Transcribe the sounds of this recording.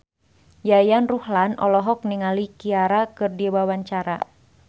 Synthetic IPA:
jajanruhlanʔɔ̰lɔɦɔk̚niŋalikiaɾakɨrdiwawaɲt͡ʃaɾa̰

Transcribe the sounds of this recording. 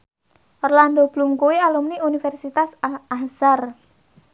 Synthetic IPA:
ʔɔrland̪ob̥lumkuwialumniunifɛrsit̪asaahsar

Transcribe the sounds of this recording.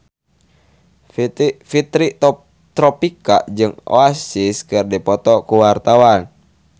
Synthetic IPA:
fit̪ɾit̪ | t̪ɾɔpika̰ʔd͡ʒɨŋo̰asiskɨrdipɔt̪ɔkuwart̪awan

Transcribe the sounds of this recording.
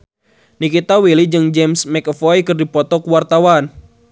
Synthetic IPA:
nikit̪awilid͡ʒɨŋd͡ʒɛmsmɛkəfɔjkɨrdipɔt̪ɔkuwart̪awan

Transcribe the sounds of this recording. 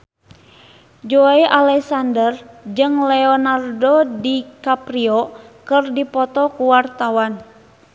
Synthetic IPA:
d͡ʒoaiʔalɛksandərd͡ʒɨŋlɛɔnardodikapɾiɔkɨrdipɔt̪ɔkuwart̪awan

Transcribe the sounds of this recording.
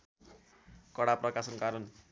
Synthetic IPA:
kʌɽaprʌkasʌnkaɾʌn

